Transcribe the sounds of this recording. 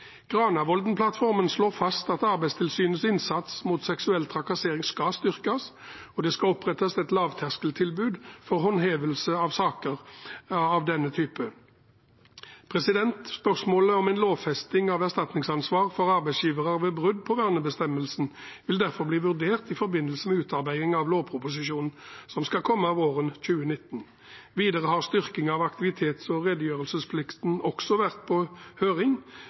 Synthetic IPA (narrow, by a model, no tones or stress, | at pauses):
ɡ̥ʁɑːnɑʋɔld̪n̩pʰlɑt̪fɔʁmənsloːʁfɑst̪ɑt̪ɑʁbæɪst̪ʰɪlsyːnəsɪnsɑt̪smuːt̪sɛksʉɛlt̪ʰʁɑkɑseːʁɪŋskɑst̪ʏʁkɑs | ɔd̪ɛskɑɔpʁɛt̪ːɑsɛt̪lɑːʋt̪ʰæʁskəlt̪ʰɪlbʉːd̪fɔʁɦɔnɦeːʋəlsəɑʋsɑːkəʁ | ɑʋd̪ɛnːət̪ʰyːpə | pʰʁɛsɪd̪ɛnt̪spœʁsmoːləɔmɛɪnloːʋfɛst̪ɪŋɑʋæʁst̪ɑt̪nɪŋsɑnsʋɑːʁfɔʁɑʁbæɪsjiːʋəʁəʋeːbʁʉd̪pʰɔʋæʁnəbəst̪ɛmːəlsn̩ | ʋɪld̪æʁfɔʁbliːʋʉʁd̪eːʁt̪ɪfɔɾbɪnːəlsəmɛʉːt̪ɑʁbæɪɪŋɑʋloːʋpʰɾʊpʊs̬ɪʃuːnn̩sɔmskɑkʰɔmːəɑʋoːʁənc͡çʉːənɪt̪ːn̩ | ʋiːd̪əʁəhɑʁst̪ʏʁkɪŋɑʋɑkt̪ɪʋɪt̪ʰeːt̪sɔʁɛd̪əjøːʁəlsəspʰlɪkt̪n̩ɔksɔʋæʁt̪̚pʰɔhøːʁɪŋ